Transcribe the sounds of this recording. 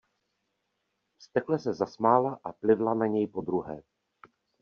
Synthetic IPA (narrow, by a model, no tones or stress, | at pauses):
st̪ɛklɛsɛzasmaːlaʔaplɪvlanaɲɛjpo̞d̪ɾuɦɛ̰ː